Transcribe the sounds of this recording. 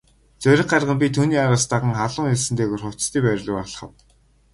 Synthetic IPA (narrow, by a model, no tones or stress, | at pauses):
t͡sœɾʲɪ̆χɢarʁə̆mp̬ʲit̪ʰuːniːaɾaːst̪aʁə̆ŋχaɮʊːŋeɮsɘ̆nt̪eːɣoːrχʊw̥ʰt͡st̪iːpæɾʲɮʊːaɮ̆χə̆w